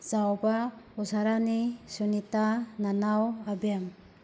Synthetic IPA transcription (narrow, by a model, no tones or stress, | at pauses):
z̥awbausaɾanisunitananawabiam